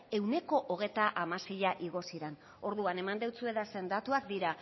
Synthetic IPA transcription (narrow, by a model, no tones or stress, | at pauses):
e̞wne̞ko̞ʔoɣ̞e̞jt̪aʔamase̞jaʔiɣ̞o̞siɾen | o̞ɾðuane̞mand̪e̞wt͡sue̞ðase̞nd̪at̪uak̚d̪iɾa